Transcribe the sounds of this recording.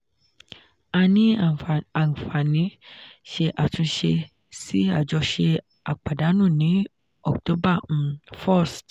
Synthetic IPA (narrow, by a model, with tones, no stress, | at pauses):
a˧nĩ˦a˨n̩˨fa˨nĩ˨˦ʃe˧ʔa˨tũ˧ʃe˧ | si˦a̰˦˨d͡ʒɔ˧ʃe˧ | a̰˨k͡pa˨da˨˦nũ˦˨nĩ˨˦ | ɔ˦˨kto˨˦bã˦˨˧fɔ˦˨st